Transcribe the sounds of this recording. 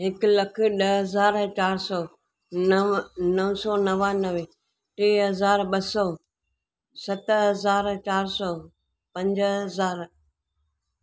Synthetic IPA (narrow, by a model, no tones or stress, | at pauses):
ɦɪkləkʰɗəɦəzaːɾt͡ʃaːɾsɔː | nəʋsɔːnəʋanəʋe | ʈeːɦəzaːɾɓəsɔː | sɐt̪ɦəzaːɾt͡ʃaːɾsɔː | pɐ̃ɲd͡ʒɦəzaːɾ